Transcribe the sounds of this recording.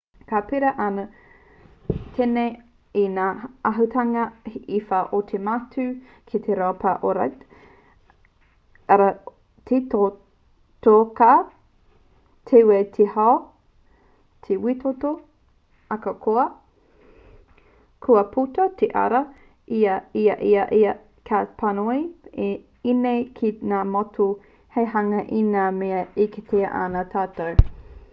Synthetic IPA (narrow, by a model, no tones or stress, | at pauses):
kapiɾɐʔɐnɐ | tʰene | inaːɐɦutʰɐŋɐifaʔotʰematʰʉ | kʰet̪ʰeɾaopaʔoɾɐ̰ | ɐɾɐ | tʰeto | toka | t̪ʰewet̪ʰehao | tʰewitoto | ɐkɐkʰoɐ | kʰuɐpʰutɐtʰeʔɐ̰ɾɐ | iɐiɐʔiɐʔiɐ | kʰapʰɐnoie | inejkʰinaːmotʰu | hejɦɐŋɐʔinameɐiketʰeɐʔanatʰaːtɐw